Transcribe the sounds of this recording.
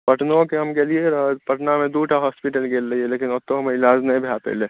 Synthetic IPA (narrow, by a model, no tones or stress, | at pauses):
pəʈnõkeɦəmɡelieɾpəʈnamẽd̪uʈʰaɦɔspiʈəlɡeːlːəielekinɔt̪ːoɦəmeɪlaːd͡ʒnəĩbʱap̪ḛle